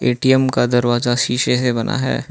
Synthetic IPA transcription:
eːʈiɛmkad̪ɐɾʋaːzaʃiːʃesebɐnʔa̰ɦɛ̰ː

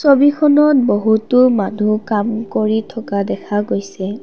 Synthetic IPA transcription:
sobikʰɔnɔtboɦutʊmanukamkoɹitʰɔkadɛkʰaɡojsɛ

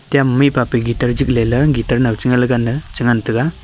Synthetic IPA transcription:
tijammipapiɡitaɾd͡ʒik̚lelɯɡitaɾnawt͡ʃiŋalɯɡanːɯt͡ʃɯŋantɯɡa

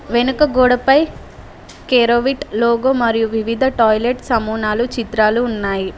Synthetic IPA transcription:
ʋenukɐɡɔːɽɐpɐj | keːɾoːʋiʈloːɡoːmɐɾijuʋiʋid̪ʱɐʈɔːjleʈsɐmuːnaːlut͡ʃit̪ɾaːluːnːaːji

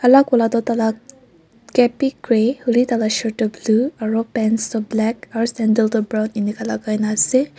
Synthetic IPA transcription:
alakɔlat̪ɔt̪ala | kɛpikɹehɯlit̪alaʃɔɹtɔbluaɹɔpɛnst̪ɔblɛkaɹɔsɛndəlt̪ɔbɹawninikalaɡajnasɛ

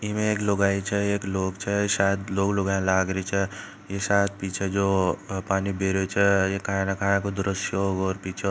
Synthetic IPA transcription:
imẽeːkloɡaːit͡ʃʰɛeːkloːkt͡ʃʰɛʃaːjəd̪loːkloːɡaẽlaːɡɾit͡ʃʰɛ | jesat̪̚piːt͡ʃʰed͡ʒopaːnibʱeɾet͡ʃʰɛjekʰanakʰãːnẽkod̪ʊɾəsjoɡɔːɾpiːt͡ʃʰe

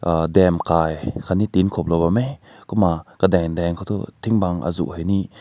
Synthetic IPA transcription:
dɛmkaːjkʰanit̪inkʰop̚lɔbame | kɔmakadɛŋdɛŋkʰot̪ṵt̪ʰiŋbaŋʔa̰zṵʔheni

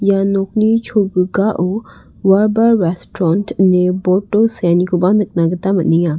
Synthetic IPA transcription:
janok̚nit͡ʃʰoɡɯɡaʔu | waɾbaɾːestɾɔntneboɾtosanikʰobanɯk̚naɡɐtamɐt̚niŋa

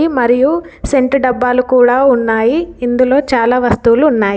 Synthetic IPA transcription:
imɐɾiju | se̞ɳʈɖɐbːaːlukuːɽaːunːaːjiːnd̪ulo̞ːt͡ʃaːlaːʋɐst̪uːluːnːaːji

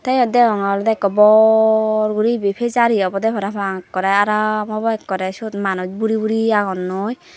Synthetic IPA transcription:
t̪ajɔd̪ɛɔŋald̪ɛkːɔbɔ | ɾɡuɾibepʰezaɾiɔbɔd̪ɛpʰɔɾapaŋkːɔɾɛaɾamɔbɔɛkːɔɾɛsut̪manɔd͡ʒbuɾibuɾiaɡɔnːoj

